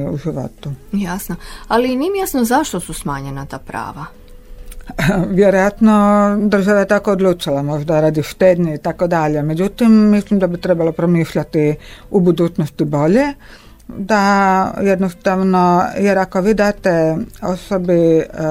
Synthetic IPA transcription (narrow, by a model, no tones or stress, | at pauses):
uʒiʋo̞̰t̪ujasnoalimimjasnozaʃt̪osusmaːɲenat̪a̰ːpɾa̰ːʋa | ʋjeɾojat̪nod̪r̩ʒaʋajet̪akoːd̪lˠuːt͡ʃilamo̞ʒd̪aɾaːd̪iʃt̪ed̪ɲeit̪akod̪aʎeme̞d͡ʑut̪imːislimd̪abit̪ɾebalopɾomiːʃʎat̪iubud̪uːt͡ʃnost̪ibo̞ʎe | d̪ajed̪nost̪aʋno̞jeɾako̞ʋiːd̪aːt̪eo̞sobi